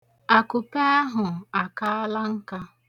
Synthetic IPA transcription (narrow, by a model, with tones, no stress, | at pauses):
a˨kʊ˨pe˦a˦ɦʊ˨a˨ka˦a˦la˦ŋ̩˦ka˦